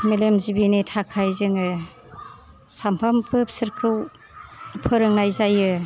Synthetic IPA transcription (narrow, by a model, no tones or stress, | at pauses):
melemzibinitʰakʰajzɯŋɯ | sampʰampʰɯp̚sɯɾkʰɯw | pʰɯɾɯŋnajzajɯ